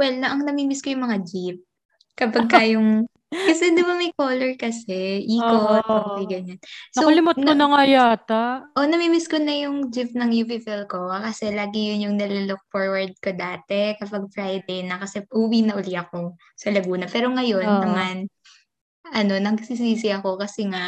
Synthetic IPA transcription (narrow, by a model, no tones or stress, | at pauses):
wɛlnɐʔɐŋnɐmiːmɪskojʊŋmɐŋad͡ʒip̚ | kɐpɐɡ̚kajoŋ | kɐsɛd̪ɪbɐmɐjkoːlɛɹkɐsɛʔiːkoɐbɐjɡɐɲansoɐlɪmʊtn̚onɐŋɐjaːt̪aʔonɐmimɪskonɐjʊŋd͡ʒɪp̚nɐŋjuvɪfɛlko̞akɐsɛlaːɡɪjʊnjʊŋnɐlʊlʊk̚foɹwɐɹd̪̚kod̪aːt̪ɛkɐpɐɡ̚fɹajd̪ɛjnɐkɐsɛʔuːwinɐʔʊliʔɐko̞ | sɐlɐɡuːnɐpɛːɾo̞ŋɐjo̞nːɐman | ʔɐno̞nɐɡsisiːsɪɐko̞kɐsɛŋaʔ